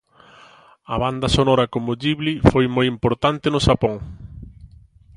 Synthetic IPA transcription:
ɐβand̪ɐsonɔɾɐkomʊd͡ʒiβlifojmojimpoɾt̪ant̪ɪnʊʃapoŋ

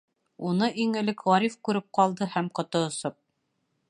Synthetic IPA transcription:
unɤʔiŋɘ̆lɘkʁɒɾifkʉɾɘp̚qɑlˠd̪ɤhæmqŏt̪ŏːsop̚

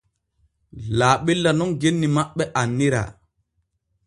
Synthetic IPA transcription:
laːɓelːanɔŋɡenːimaɓːɛʔanːiɾa̰

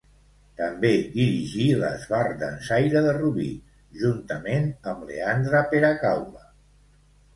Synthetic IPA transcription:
t̪əmbed̪iɾiʒilə̰zβard̪ənsajɾəðəruβḭ | ʒunt̪əmenəmlḛand̪ɾəpeɾəkawlə

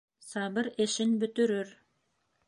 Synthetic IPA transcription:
sɑβɤɾeʃɘnbɵ̆t̪ɵ̆ɾɵɾ

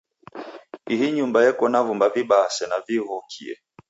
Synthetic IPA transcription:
iɦiɲumbajɛkɔnavumbaviɓasɛnaviɦɔkʰḭɛ̰

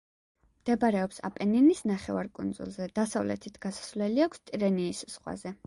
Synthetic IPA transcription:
md̪̥ɛbaɾɛɔpsa̰pʼɛninisnaχɛvaɾkʼund̪zṵlˠzɛd̪̥asavlɛ̰t̪ʰit̪ʰɡ̥asḁsvlɛliakʷʰst̪ʼiɾɛniːssʁwa̰zɛ

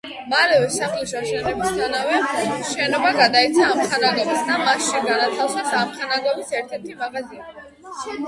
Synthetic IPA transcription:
malɛvɛsaχliʃaʃɛnɛbist̪ʼanavɛʃɛnɔbaɡad̪aɛt̪sʰaːmχʰanaɡɔvasd̪amasʃiɡanat̪ʰafsɛsamχʰanaɡɔvisɛɾt̪ʰɛɾt̪ʰimaʁaziɛbi

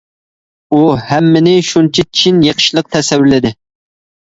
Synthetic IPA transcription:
uhæmːɪnɪʃunt͡ʃʰit͡ʃʰinjeqʰʃilˠəq̚t̪ʰɛsɛwːɪɾlɪd̪ɪ

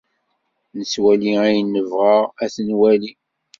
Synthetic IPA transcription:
nəswæliæjənːəvʁəʁæθənwæli

